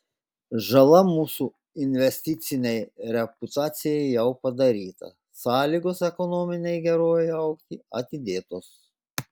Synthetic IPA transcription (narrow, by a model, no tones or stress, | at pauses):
ʒɐlˠɐmuːsu | ɪnʲʋʲɛsʲt̪ʲɪt̪sʲɪnʲɛɪɾʲɛpʊt̪ɑːt̪sʲɪjɛɪjɛʊpɐd̪ɐɾʲiːt̪ɐ̰ | sɑːlʲiːɡoːsɛkɔnoːmʲɪnʲɛɪɡʲɛɾoːjɛɐʊkt̪ʲiːɐt̪ʲɪd̪ʲeːt̪oːs